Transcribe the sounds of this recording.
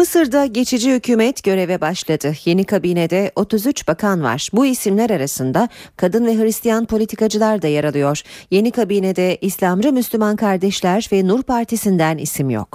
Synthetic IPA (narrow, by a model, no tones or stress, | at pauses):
mɯsɯɾd̪aɟe̞t͡ʃʰid͡ʒihycʰyːmɛt̪ɟ̥ø̞ɾe̞vɛbaʃlˠad̪ɯje̞nikʰabiːned̪ɛo̞t̪ʰuzyt͡ʃb̥akʰanva̰ɾ̥buisimlʲæɾaɾasɯnd̪akʰad̪ɯnvɛɦɯɾist̪ʰijanpʰolʲit̪ʰikad͡ʒɯlˠaɾd̪ajaɾalˠɯjo̞ɾ̥je̞nikʰabiːned̪ɛislʲamɾɯmyslʲymankʰaɾd̪ɛʃlʲæɾvɛnuɾpʰaɾt̪ʰisind̪ænḭsimjo̰k